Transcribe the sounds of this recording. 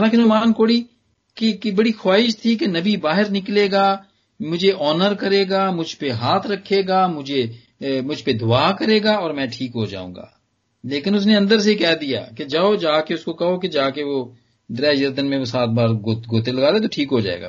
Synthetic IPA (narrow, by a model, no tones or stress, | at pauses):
alãːkenʊɦmaːnkoːɽi | kikbɐɽixwaːɦɪʃt̪ʰikenɐbibaːɦɪɾnɪkleːɡaː | mʊd͡ʒʱeʔɔːnəɾkɐɾeːɡaːmʊd͡ʒʱpeɦaːt̪ʰɾɐkʰːeːɡaːmʊd͡ʒʱe | mʊd͡ʒʱped̪ʊaːkɐɾeːɡaːɔːɾmɛ̃ːʈʰiːkɦod͡ʒa̰ːṵ̃ːŋɡa̰ː | leːkɪnʊs̬neɐ̃nd̪əɾs̬ekɛːd̪ija̰ːked͡ʒaːod͡ʒaːkeʊskokɐɦoked͡ʒaːkeʋoː | d̪ɾɛːjɐɾd̪ənmẽʋosaːt̪̚baːɾɡoːɡoːt̪elɐɡaːd̪et̪oʈʰiːkɦod͡ʒa̰ːḛːɡa̰ː